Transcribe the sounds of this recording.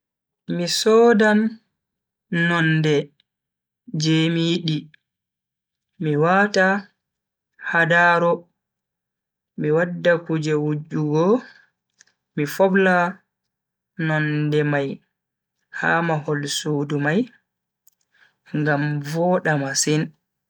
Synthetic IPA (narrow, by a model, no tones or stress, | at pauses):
misɔːdan | ɔndɛ | d͡ʒɛmijiɗi | miwata | hadaːɾɔ | miwadːakud͡ʒɛwud͡ʒuɡɔ | mifɔbla | nɔndɛmaj | haːmahɔlsuːdumaj | ŋɡamvɔːɗamasin